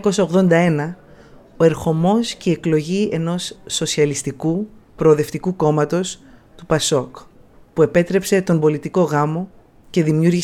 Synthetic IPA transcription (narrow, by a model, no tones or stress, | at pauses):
ko̞sɐoɣðo̞nd̪ɐe̞nɐ | oe̞ɾxo̞mo̞sceie̞klo̞ʝie̞no̞sːo̞siɐlist̪ikupɾo̞ːðeft̪ikuko̞mɐt̪o̞st̪upɐso̞k | pue̞pe̞t̪ɾe̞pse̞t̪o̞mbo̞lit̪iko̞ɣɐmo̞ | ce̞ðimjuɾʝi